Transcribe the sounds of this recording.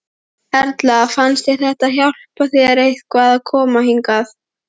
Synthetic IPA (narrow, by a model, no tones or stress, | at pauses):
ɛɾt̪laafanst̪ɛɾ̥θɛht̪ahjawl̥paθiaɾejht̪kʰvaːðakʰɔːmahiŋkaθ